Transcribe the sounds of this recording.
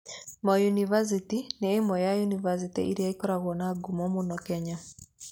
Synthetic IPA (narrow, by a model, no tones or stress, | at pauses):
mɔjunivas̬itinɛemɔjajunivas̬itḭʔiɾiaikɔɾaɣwɔnaɡumɔmonɔkɛɲa